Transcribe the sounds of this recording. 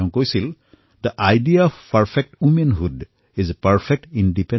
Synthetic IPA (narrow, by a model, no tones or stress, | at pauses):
ʊ̃kojsil | d̪əʔajdiaɔfpɐɹfʰek̚ʈwumẽnɦud | izpɐɹfʰek̚ʈĩnɖipẽ